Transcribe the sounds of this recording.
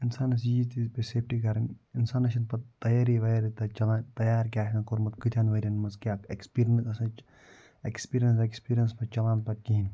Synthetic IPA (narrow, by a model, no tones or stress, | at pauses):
insaːnɐs̬iːzt̪izpeseːpʰʈikɐɾɐnɪnsaːnɐʃ̬ɐnpɐt̪ɐjaːɾiʋjɾit̪ɐt͡ʃɐlant̪ɐjaːɾkʲaːkɐnkoɾmɐt̪kɨt̪ʲʰjaːnʋɐɾʲɐnmɐzkʲaːkekspiːɾiɐnsɐsɐ̃ | ekspiːɾijɐnsekspiːɾijɐnspɐt͡ʃɐlaːnpɐɾ̚kiin